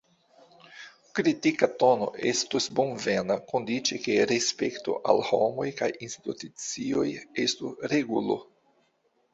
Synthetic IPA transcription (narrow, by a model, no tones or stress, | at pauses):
kɾitikatono̞̰ʔe̞̰stusbonve̞nakondit͡ʃeke̞ɾespe̞kto̞̰ʔa̰lho̞̰mo̞jkajinst̪utut͡sio̞je̞stuɾeɡulo̰